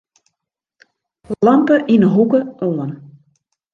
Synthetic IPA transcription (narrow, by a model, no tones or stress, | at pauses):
lɑmpəʔinəɦukəɔən